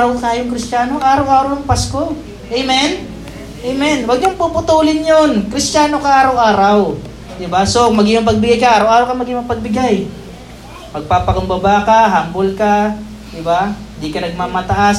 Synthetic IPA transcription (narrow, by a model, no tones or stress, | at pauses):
ɾɐwk̪ajʊŋkɾɪst͡ʃaːnoaːɾawʔaːɾɐwnɐŋpasko | ʔɛjmɛn | ʔɛjmɛnwɐɡ̚ɲʊŋpupʊt̪uːlɪnjonkɾɪst͡ʃaːnokaaːɾɐwʔaːɾaw | d̪ɪbasomɐɡɪmʊŋpɐɡ̚bɪɡajkaʔaːɾɐwʔaːɾɐwkɐmɐɡɪŋɐpɐɡ̚bɪɡaj | pɐɡ̚paːpɐkʊmbɐbaːkɐɦambolka | d̪ɪbahɪnd̪ikɐnɐɡ̚maːmɐt̪ɐʔas